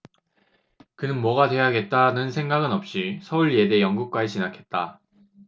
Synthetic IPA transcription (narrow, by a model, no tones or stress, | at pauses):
kɯnɯnmwʌɡadwe̞jaɡe̞t̚t͈anɯnsʰe̞ŋɡaɡɯnʌp̚ɕ͈isʰʌuɭje̞de̞jʌŋɡuk̚k͈waiɕʰinakʰe̞t̚t͈a